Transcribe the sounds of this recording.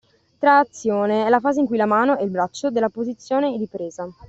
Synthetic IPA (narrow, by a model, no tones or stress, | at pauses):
t̪ɾaːt̪sːjoːneɛlafaːzeiŋkujlamaːnoɛilbɾat͡ʃːod̪elːapozit̪sːjoːned̪ipɾeːza